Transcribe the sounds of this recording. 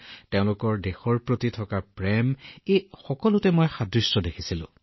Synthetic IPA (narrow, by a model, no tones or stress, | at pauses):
teʊ̃lʊkɔɹdexɔɹpɹotitʰɔkapɹɛmejxɔkɔlʊtɛmɔjxadɹisːɔdekʰisilʊ̰̃